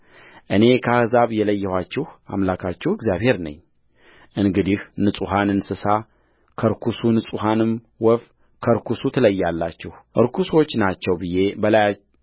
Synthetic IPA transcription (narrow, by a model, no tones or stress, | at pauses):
ʔɨne̞kʰəahɨzaβjɛləjːɛhʷat͡ʃːɪha̰mlakʰat͡ʃːɛhɪɡzjaβhe̞ɾnə̰ɲː | ʔɨnɡɨd̪ihnɨsʼuɦanɨnsɨsa | kʰəɾkʰusunɨsʼuhanɨm | wɔf | kʰəɾkʰusut̪ʰɨləjːalːat͡ʃːɛhʔɨɾkʰuso̞t͡ʃːnat͡ʃːɛwbɨje̞bəlaja